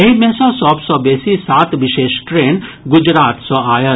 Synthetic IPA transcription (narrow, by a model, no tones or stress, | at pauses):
ɐɦimẽsɔ̃sɔbsɔbɛsisaːt̪ʋɪʃeːʃʈɾeːn | ɡʊd͡ʒɾaːt̪sɔaːjə